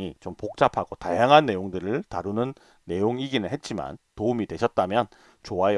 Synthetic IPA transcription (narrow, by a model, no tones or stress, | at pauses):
it͡ɕompok̚t͡ɕ͈apʰaɡ̥otajaŋɦanːe̞joŋdɯɾɯɭtaɾunɯnː | e̞joŋiɡinɯɭhe̞t̚t͡ɕ͈ima̰ntoumidwe̞ɕʰʌt̚t͈amjʌn | t͡ɕoae